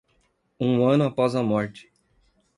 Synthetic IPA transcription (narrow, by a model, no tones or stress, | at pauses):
ũɐ̃nʊapɔzɐmɔɾt͡ʃɪ̥